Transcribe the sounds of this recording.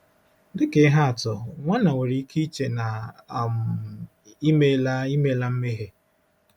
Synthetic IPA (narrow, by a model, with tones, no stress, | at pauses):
dɪ˨ke˦ɦa˦a˨tɔ˨ŋʷa˦na˨we˨ɾi˨˦ki˦t͡ʃe˨na˨m̩˨ | i˦me˦la˦i˦me˦la˦m̩˦me˦ɦe˦